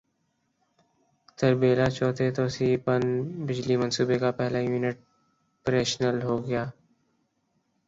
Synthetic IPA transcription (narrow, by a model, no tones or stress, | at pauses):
t̪əɾbeːlaːt͡ʃɔːt̪ʰet̪oːsiːpənbɪd͡ʒlimə̃nsuːbekapɛɦlaːjuːnɪʈ̚ | pɾeːʃnəlɦoːɡəjaː